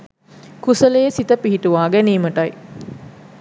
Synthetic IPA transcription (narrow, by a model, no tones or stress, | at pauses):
kusəlejsit̪əpiɦiʈuʋaːɡæniːməʈaj